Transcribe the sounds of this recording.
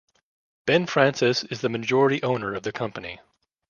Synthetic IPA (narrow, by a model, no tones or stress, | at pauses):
b̥ɛ̃nfɹæ̃nsɪsɨzðɨmɨd͡ʒɔɹɨɾiʔõʊ̃nə˞ʌvðɨkʰʌ̃mpɨnḭ